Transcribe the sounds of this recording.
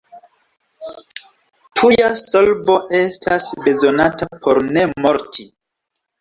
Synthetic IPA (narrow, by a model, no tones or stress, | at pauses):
tʰujasolbo̞ʔe̞stʰasbe̞zo̞natapʰo̞ɾne̞mo̞ɾtʰi